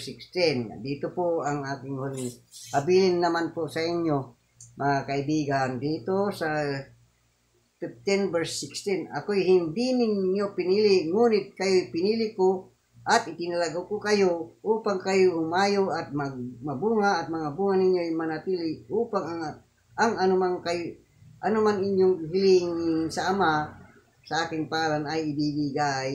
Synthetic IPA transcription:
sɪkst̪ɪn̰d̪iːt̪opoaŋaːkɪŋholhabilɪnːamanposaɪɲjo | mɐŋakaɪbiːɡand̪iːt̪osa | fift̪ɪnbɛɹsːɪkst̪ɪna̰kojɦɪnd̪inɪɲopɪniːlɪŋuːnɪt̪̚kajojpɪniːlɪko | ʔat̪ɪp̪ɪnalaɡokokɐjoʔuːpaŋkajohʊmaːjoʔat̪̚maɡ̚mɐbuŋaːt̪̚mɐŋabuŋanɪɲjojmanat̪iːlɪʔuːpaŋaŋ | ʔaŋanʊmaŋkaj | ʔanʊmanɪɲjoŋɦɪliŋɪnsaːma | saaːkɪŋpaːɾanajɪbibiɡaj

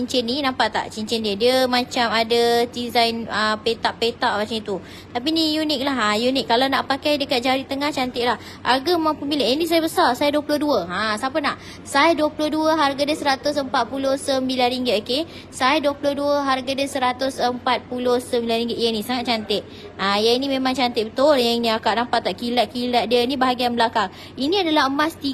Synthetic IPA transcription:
iɲt͡ʃɛninampaʔt̪a̰ʔt͡ʃiɲt͡ʃɛndiədiəmãt͡ʃamadadizajnəpet̪aʔpet̪aʔmat͡ʃaŋit̪u | t̪ap̬inijunɪk̚laɦajunɪk̚kːalawnaʔpakajdəkat̪̚d͡ʒaɾit̪əŋaht͡ʃant̪ɪʔ̚lah | harɡamaŋpəmbiləʔənis̬ajabəsarsajaduəpuloduəãsapənaʔ | sajaduəpulohduəɦarɡadəsəɾat̪ʊsəmpat̪̚pulohsəmbilanɾiŋɡɪt̪oke | sajaduəpulohduəɦarɡadəsəɾat̪ʊsəmpat̪̚pulʊhsəmbilanrɾiŋɡɪt̪janisaŋat̪̚t͡ʃant̪ɪʔ̚ | ajainimemaŋt͡ʃant̪ɪʔ̚bət̪ʊljəiniakaʔnampat̪ːaʔkilaʔ̚kilaʔ̪̚diənibaɦaɡianbəlakaŋ | iniadalaɦəmast̪i

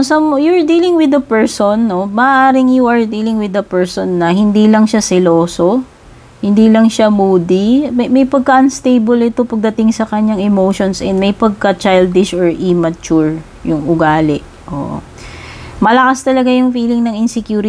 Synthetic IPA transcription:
sɐmjʊɹd̪iːlɪŋwɪd̪ɐpɛɹsonːomɐʔʔaːɾɪŋjuʔɐɹd̪iːlɪŋwɪd̪ɐpɛɹsonːɐhɪnd̪iːlɐŋʃasɛloːso̞ | hɪnd̪ilɐŋʃamuːd̪immɐjpɐɡ̚kaʔɐnst̪ejbolɪt̪o̞pɐɡ̚d̪ɐt̪ɪŋsɐkɐɲaŋɛmowʃonsɛnd̪mɐjpɐɡ̚kɐt͡ʃajld̪ɪʃʔoɹʔimɐt͡ʃuɹ | jʊŋʔʊɡaːlɛʔ | ʔo̰ʔ | mɐlɐkast̪ɐlɐɡajʊŋfiːlɪŋnɐŋɪnsɛkjuːɾɪ

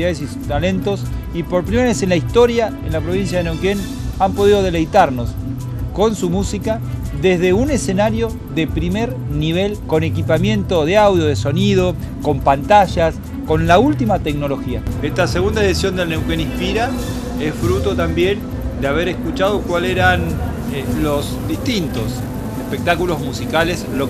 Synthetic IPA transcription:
aðesi | t̪alent̪o̞s | ipo̞ɾpɾimeɾaβese̞nlaist̪o̞ɾjaenlapɾo̞βins̬jaðenowken | ampo̞ðiðo̞ð̞e̞le̞jt̪aɾno̞s | ko̞nsumusika | ðezðe̞unesenaɾjo̞ | ðe̞pɾimeɾniβ̞e̞lko̞ne̞kipamjẽ̞nt̪o̞ðeawðjo̞ð̞eso̞nið̞o̞ | ko̞mpant̪aʒas | ko̞nlault̪imat̪e̞kno̞lo̞xiaest̪aseɣund̪aeðisjo̞nd̪elnewkenispiɾa | esfɾut̪o̞t̪ambje̞n | d̪eaβ̞e̞ɾeskut͡ʃaðokwaleɾan | losd̪ist̪int̪o̞s | espek̚t̪akulo̞zmusikaleslo

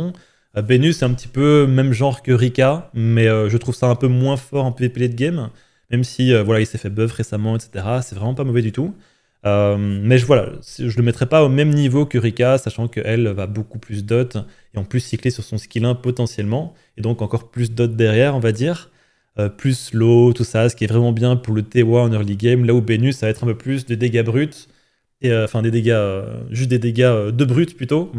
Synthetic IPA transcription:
øbenysɛt̪ɛ̃pət̪ʰi̥pømɛmʒɑ̃ʁkəʁikʲamɛøʒət̪χuv̥saɛ̃pømwɛ̃fɔʁɛ̃pøepiled̪əɡʲɛm | mɛmsiøvwalailsɛfɛbœvʁesamɑ̃et̪se̥t̪eʁasɛvʁɛmɑ̃pamɔvɛd̪yt̪u | ømmɛʒəvwala̰sʒələmɛt̪χɛpaomɛmnivokəʁikʲasaʃɑ̃kəʔɛlvabokuplys̬d̪ɔt̪ | eɑ̃plysːiklesyʁsɔ̃skʲilɛ̃pɔt̪ɑ̃sjɛlmɑ̃ | ed̪ɔ̃kɑ̃kɔʁplys̬d̪ɔt̪̚d̪ɛʁjɛʁɔ̃vad̪iːʁ | øplyslot̪usasə̥kʲiɛvʁɛmɑ̃bjɛ̃puʁlət̪ewaɑ̃nœʁliɡɛmlaubenysːavaɛt̪χɛ̃pøplys̬d̪ed̪eɡabʁyt̪ | eøɑ̃fɛ̃d̪ed̪eɡaøʒyst̪̚d̪ed̪eɡaød̪əbʁyt̪plyt̪o

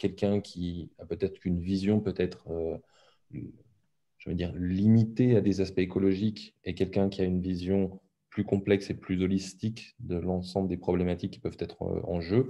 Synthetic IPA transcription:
kʲɛlkʲɛ̃kʲʰiapøt̪ɛt̪χkynvizjɔ̃pøt̪ɛt̪χ | ʒ̥əvəd̪iʁlimit̪ead̪ezaspɛekɔlɔʒikekʲɛlkʲɛ̃kʲiaynvizjɔ̃ | plykɔ̃plɛkseplyzɔlist̪ikd̪əlɑ̃sɑ̃bləd̪epχɔblemat̪ikːi̥pœv̥t̪ɛt̪χɑ̰̃ʒø

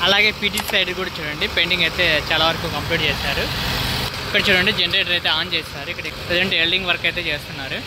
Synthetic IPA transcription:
ɐlaːɡe̞ːpiːʈiʈsɐjɖlkuːɽaːt͡ʃuːɽɐɳɖipeɳɖiŋɡɐjt̪e̞ːt͡ʃaːlaːʋɐɾɐkukɐmpliːʈ̚t͡ʃeːʃaːɾu | ikːɐɽɐt͡ʃuːɽɐɳɖid͡ʒenɾeːʈɐɾɐjt̪eːaːnt͡ʃeːsaːɾuikːɐɽɐikːɐpɾed͡ʒeɳʈeːlɖiŋɡʋɐɾɐkɐjt̪e̞ːt͡ʃeːst̪unːaːɾu

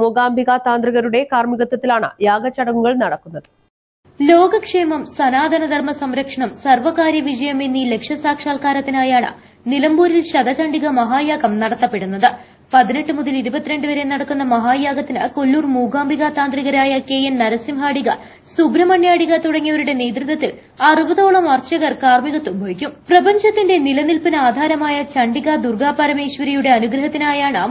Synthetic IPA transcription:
muːɡaːmbiɣaːt̪ːaːnd̪riɣɐɾuɽe̞kaːrmiɣɐt̪ːɐt̪ːilaːɳɨ̰jaːɡɐt͡ɕːɐɽɐŋːuɣɐɭnɐɽɐkːunːɐðɨ | lo̞ːɡɐkʂeːmɐmsɐnaːd̪ʱɐnɐd̪ʱɐrmɐsɐmɾɐkʂɐɳɐmsɐrʋɐkaːɾjɐʋid͡ʑɐjɐminːile̞kʂjɐsaːkʂaːlkaːɾɐt̪ːinaːjaːɳɨ̰ | nilɐmbuːɾilɕɐd̪ɐt͡ɕɐɳɖiɣɐmɐɦaːjaːɡɐmnɐɽɐt̪ːɐpːe̞ɽunːɐðɨ | pɐðine̞ʈːɨmuðiliɾubɐt̪ːiɾe̞ɳɖɨʋɐɾenɐɽɐkːun̪ːɐmɐɦaːjaːɡɐt̪ːinɨ̰kolːuːrmuːɡaːmbiɣat̪aːnd̪riɣɐɾaːjɐke̞ːjɐnnɐɾɐsimɦaːɽiɣɐ̰ | subɾɐmɐɳjaːɽiɣɐt̪uɽɐŋːijɐʋɐɾuɽe̞ne̞ːd̪rit̪ːɐt̪ːil | ɐrubɐðo̞ːɭɐmɐrt͡ɕɐɣɐrkaːrmiɣɐt̪ːumbʱɐʋikʲːumprɐbɐɲd͡ʑɐt̪ːinde̞nilɐnilpinaːd̪ʱaːɾɐmaːjɐt͡ɕɐɳɖiɣɐd̪urɡaːpɐɾɐme̞ːɕʋɐɾijuɽe̞ɐnuɡɾɐɦɐt̪ːinaːjaːɳɨ

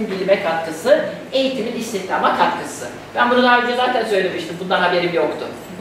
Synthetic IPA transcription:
mbilʲimɛkʰat̪̚kɯsɯ | e̞jit̪ʰiminist̪içt̪ʰaːmakʰat̪kʰɯsɯ | b̥ænbuɾad̪ˠaaɾd͡ʒazaːt̪ʰænsø̞jlʲe̞miʃt̪ʰimbund̪anɦabe̞ɾimjo̞kt̪ʰʊ

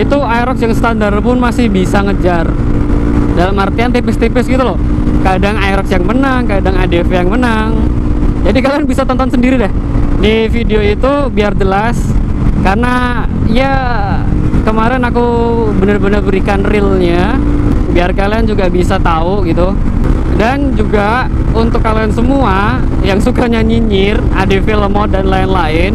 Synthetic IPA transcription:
it̪uajɾɔksjaŋsə̥t̪andarpʊnmasɪhbisaŋəd͡ʒar | dalamərt̪iant̪ipɪst̪ipɪsɡit̪ulɔ | kadaŋajɾɔksjaŋmənəŋkadaŋadefejaŋmənəŋd͡ʒadikalianbisat̪ɔnt̪ɔnsəndiɾidɛh | difideoit̪u | biard͡ʒəlas | karəna | ija | kəmaɾɛnaku | bənərbənərbəɾikanrɪlɲa | biarkaliand͡ʒuɡabisat̪auɡit̪u | dand͡ʒuɡa | unt̪ʊkːaliansəmua | jaŋsukaɲaɲiɲɪradefeləmɔdanlaɪnlaɪn

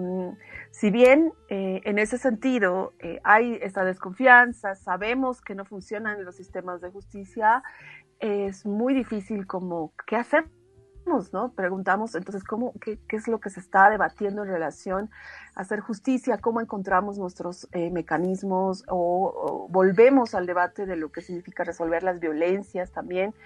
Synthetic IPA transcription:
siβje̞neene̞se̞se̞nt̪iðo̞eʔaje̞st̪aðe̞sko̞ɱfjansasaβe̞mo̞ske̞no̞funsjo̞nanlo̞sːist̪e̞mazðe̞xust̪isja | ezmujðifisilko̞mo̞ke̞ase̞ | mo̞sno̞pɾe̞ɣunt̪amo̞sent̪o̞ns̬esko̞mo̞kekeezlo̞ke̞sest̪aðe̞βat̪je̞nd̪oenre̞lasjo̞na̰se̞ɾxust̪isjako̞mo̞e̞ŋko̞nt̪ɾamo̞znwe̞st̪ɾo̞zeme̞kanizmo̞soo̰bo̞lβe̞mo̞sald̪e̞βat̪e̞ðe̞lo̞ke̞siɣnifikare̞so̞lβe̞ɾlazβjo̞le̞nsjast̪ambje̞n

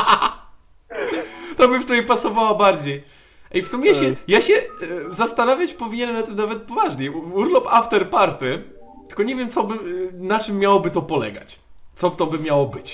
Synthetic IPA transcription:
t̪ɔbɘft̪ɔjɛpasɔvawabaɾd͡ʑej | aifsumʲɛjaɕɛjaɕɛzast̪anavʲjat͡ɕpɔvʲiɲɛnɛmnat̪ːɨmnavɛt̪̚pɔvaʐɲɛuɾlɔpaft̪ɛɾpaɾt̪ɘ | t̪ɘ̥lkɔɲevʲjɛmt̪sɔbɘnat͡ʂɘmːjawɔbɘt̪ɔpɔlɛ̰ɡa̰t͡ɕ | t̪sɔt̪ɔbɘmʲjawɔbɘt͡ɕ

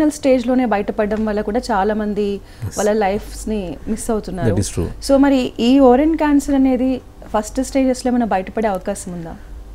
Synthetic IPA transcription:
nɐlsʈe̞ːd͡ʒlo̞ːne̞ːbɐjɐʈɐpɐɖːɐmʋɐlːɐkuːɽaːt͡ʃaːlaːmɐnd̪i | ʋɐlːɐlɐjpʰsnimisɐwut̪unːaːɾusṵsoːmɐɾiʔiːɔːɾeɳɖkaːnsɐɾɐne̞ːd̪i | pʰɐsʈsʈe̞ːd͡ʒeslo̞ːmɐnɐbɐjɐʈɐpɐɽe̞ɐʋɐkaːsɐmund̪a̰ː

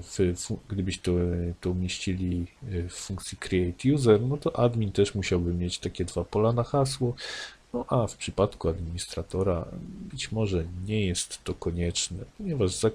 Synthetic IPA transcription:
ffuɡd̪ɘbɘɕt̪ɔt̪ɔumʲjeɕt͡ɕilʲifːuŋk̚t̪sʲjikɾʲiɛjt̪juzɛɾnɔt̪ɔʔad̪mʲint̪ɛʂmuɕawbɘmʲjet͡ɕt̪akʲɛd̪vapɔlanaxaswɔnɔʔafpʂɘpat̪kuad̪mʲiɲist̪ɾat̪ɔɾa̰bɘt͡ɕmɔʐɛɲɛjɛst̪ːɔkɔɲɛt͡ʂnɛ̰pɔɲɛvaʐza

